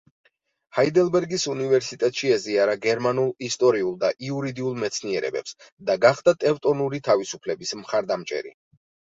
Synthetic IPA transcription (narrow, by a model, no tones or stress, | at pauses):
haid̪ɛlˠbɛɾɡisunivɛɾsit̪ʼɛt̪ʼʃiɛziaɾaɡɛɾmanulˠist̪ʼɔɾiulˠd̪aʔiuɾid̪iulˠmɛt̪sʰniɛɾɛ̰bɛ̰psd̪aɡaχd̪at̪ʼɛvt̪ʼɔnuɾit̪ʰavisupʰlɛbismχaɾd̪amt͡ʃʼɛ̰ɾḭ